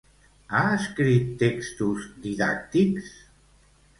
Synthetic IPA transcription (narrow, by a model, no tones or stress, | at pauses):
aəskɾit̪ːekst̪uzd̪iða̰k̚t̪iks